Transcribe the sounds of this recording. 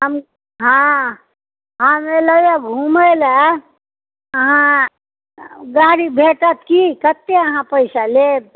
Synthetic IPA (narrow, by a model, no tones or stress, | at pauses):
ɦəm | ɦã | ɦameləjaɡʱuməjlə | əɦã | ɡaɽibʱeʈət̪ʰkikət̪ːeəɦãpəɪsaleb